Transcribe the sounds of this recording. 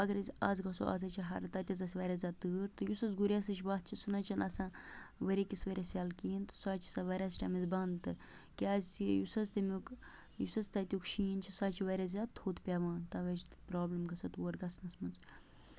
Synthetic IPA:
ɐɡɐɾɐzʲaːzɡɐso̰ʔa̰ːzɐt͡ʃʰiɦɐɾt̪ɐt̪ʲɐzɐsʲʋɐɾʲaːzʲaːd̪t̪ɨːɾt̪ɨjusɐz̬ɡuɾʲasɐt͡ʃʰʲbaːt̪̚t͡ʃʰisɨnɐt͡ʃʰɐnɐsãːʋɐɾʲekisʋɐɾʲasʲaːlkiːnt̪ɨ̥saːt͡ʃʰi̥sɐʋɐɾʲaːsʲʈɐmizbɐnd̪t̪ɨ | kʲaːzʲsijusɐzt̪ɐmuk | jusɐst̪ɐt̪ʲjukʃiːnt͡ʃʰisaːt͡ʃʰiʋɐɾʲaːzʲaːd̪̚t̪ʰut̪pʲaːʋãːnt̪ɐʋɐt͡ʃʰt̪ɨ̥pɾaːblimɡɐsɐt̪wɐɾɡɐsnɐsmɐnz

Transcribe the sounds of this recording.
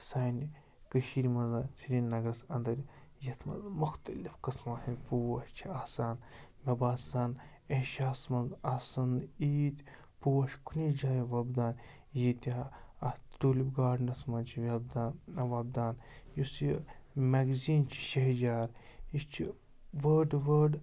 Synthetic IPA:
saːni | kəʃiːɾʲmɐnzat͡sʰiɾʲinnɐɡɾɐsɐnd̪ɐɾʲjɐt̪ʰmɐ̰zmʊxt̪ɐlifkɨsmasipuɐʃt͡ʃʰiaːsaːnmʲɐbaːsaːn | eʃaːsmɐnzɐsɐniːt̪ʲ | puwɐʃkʰunid͡ʒaːjiʋɐbd̪aːn | jit̪ʲa | t̪uːlibɡaːɽnɐsmɐnt͡ʃʰiʋʲɐbd̪aːnɐʋɐb̚d̪aːnjusimɐɡziːnt͡ʃʰi̥ʃeɦd͡ʒaːɾit͡ʃʰi | ʋəːɖʋəːɖ

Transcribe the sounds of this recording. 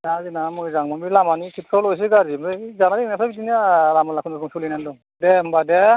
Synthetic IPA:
azinamɔjzaŋmamilamanikʰit̚kʰɔlɔjs̬eɡaɾimzanadinasʰabidiniaɾamalakʰɯnakumsulinandɔ | dembade

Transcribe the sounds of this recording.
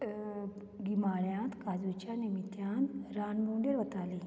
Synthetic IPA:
ɡimaɭjãt̪kad͡zut͡ɕjanimit̪jãnt̪ɾanbuɳɖeɾʋət̪ali

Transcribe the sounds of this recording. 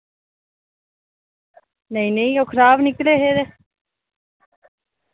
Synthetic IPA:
nejnejowkʰɾaːvnikleɦeðe

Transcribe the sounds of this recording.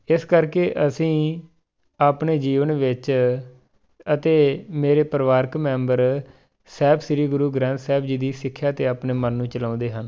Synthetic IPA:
ɪskəɾkeːʔəsĩː | aːpɳeːd͡ʒiːʋənʋɪt͡ʃ | ət̪eːmeːɾeːpəɾʋaːɾkmɛ̃ːmbəɾ | sɛːbsɪɾiːɡʊɾuːɡɾɛ̃ːnt̪sɛːbd͡ʒiːd̪iːsɪkʰːjaːt̪eːaːpneːmənːũːt͡ʃəlãːnd̪eːɦən

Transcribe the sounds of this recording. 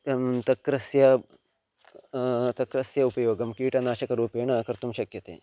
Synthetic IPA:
t̪ɐkɾɐsjɐ | t̪ɐkɾɐsjɐupɐjoːɡɐmkiːʈɐnaːʃɐkɐɾuːpeːɳɐkɐɾt̪umʃɐkjɐt̪ḛː

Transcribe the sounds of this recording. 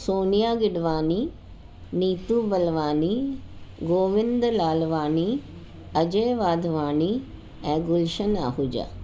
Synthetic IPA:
soːnijaːɡɪɖʋaːniː | niːt̪uːbəlʋaːniːɡoːʋɪnd̪laːlʋaːniː | əd͡ʒeːʋaːd̪ʋaːniː | ɛ̃ːɡʊlʃəna̰ːɦud͡ʒa̰ː

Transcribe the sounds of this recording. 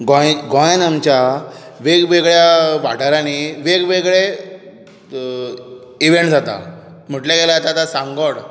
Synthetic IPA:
ɡɔ̃ɡɔ̃jnamt͡ɕjaʋeɡʋeɡɭjaʋaʈaɾaniʋeɡʋeɡɭe | iʋeɳʈd͡zat̪a̰ | m̤əʈlẽɡelaat̪at̪asãŋɡəɽ

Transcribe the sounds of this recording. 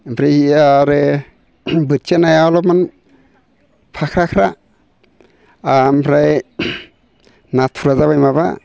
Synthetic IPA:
pʰɾajiaɾe | bɯtt͡ʃenajawlɔpman | pʰakʰɾakʰɾa | ampʰɾaj | natʰuɾazaβajmaba̰

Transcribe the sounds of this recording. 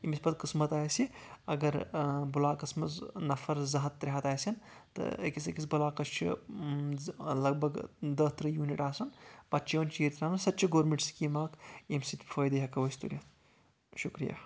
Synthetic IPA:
imispɐt̪kɨsmɐt̪aːjsiɐ̰ɡɐɾbulaːkɐsmɐznɐfʰɐɾzɐɦɐt̪ːɾʲeɦɐt̪aːsʲɐnt̪ɨ̰ɐ̰kisɐkisbɐlaːkɐst͡ʃʰḭ | lɐɡ̚bɐɡd̪ɐːt̪ɾɐjuːniʈaːsɐnpɐt͡ʃʰiʋɐnt͡ʃiːɾt̪ɾʲaːnɐnsɐt̪ːt͡ʃʰiɡoːɾmiɳʈskimaːkimsit̪ʲpʰɐːjd̪ɐɦɐkɐʋɐsʲt̪ṵnʲjɐt̪ | ʃukɾḭja̰ː

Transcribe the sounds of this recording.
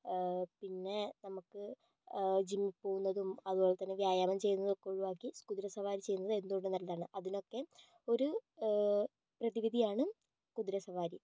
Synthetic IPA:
pinːe̞nɐmukːɨ | d͡ʑimːipːo̞ːɣunːɐðumɐðuboːɭet̪ːɐnːeʋjaːjaːmɐmt͡ɕe̞jːunːɐðokːeuɻuʋaːkːiskud̪ɾɐsɐʋaːɾit͡ɕe̞junːɐðɨe̞nd̪uoːɳɖenɐlːɐðaːɳɨʔɐðino̞kːe̞ | o̞ɾu | prɐðiʋid̪ʱijaːɳɨ | skud̪ɾɐsɐʋaːɾi

